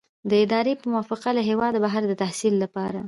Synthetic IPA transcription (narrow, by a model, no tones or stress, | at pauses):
d̪əɪd̪ɑɾepəmʊwɑfɪqaləɦewɑd̪baɦaɾd̪ət̪ahsilːapɑɾa